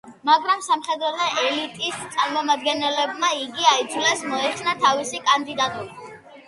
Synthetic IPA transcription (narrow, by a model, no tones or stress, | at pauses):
maɡɾamsamχɛd̪ɾɔlɔʔɛlit̪ʼist̪sʼaɾmɔmad̪ɡɛnɛlɛbmaiɡiaid̪zlɛsmɔɛχsnat̪ʰavisikʼand̪id̪at̪ʼuɾa